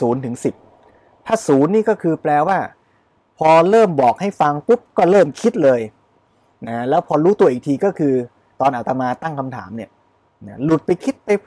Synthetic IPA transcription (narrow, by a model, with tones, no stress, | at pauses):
uː˩˦nt̪ʰɯ˩˦ŋsi˨˩p̚ | t̪ʰaː˥˩suː˩˦nːiː˥˩kɔː˥˩kʰɯː˧plɛː˧waː˥˩ | pʰɔː˧ɾɤː˥˩mbɔː˨˩k̚ha˥˩jfa˧ŋpu˦˥p̚kɔː˥˩ɾɤː˥˩mkʰi˦˥t̪̚lɤː˧j | na˦˥lɛː˦˥wpʰɔː˧ɾuː˦˥t̪u˧ɐʔiː˨˩k̚t̪ʰiː˧kɔː˥˩kʰɯː˧ | t̪ɔː˧nʔa˨˩wt̪a˧maː˧t̪a˥˩ŋkʰa˧mt̪ʰa̰ː˩˦mni˥˩ɐ | na˦˥lu˨˩t̪̚pa˧jkʰi˦˥t̪̚pa˧jpʰ